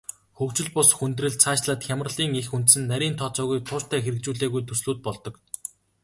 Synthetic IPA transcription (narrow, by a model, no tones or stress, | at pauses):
xɵkt͡ɕɪ̆ɮpʊsxunt̪rɘ̆ɮt͡sʰaːt͡ɕɮaːt̪xʲamərɮiːŋexunt̪sɘ̆nːæɾʲiːnt̪ʰɔt͡sɔːɣujt̪ʰʊːt͡ɕt̪ʰæːxeɾɘ̆k̚t͡ɕuːɮeːɣujt̪ʰɵsɮuːt̪̚pɔɮt̪ɞ̆k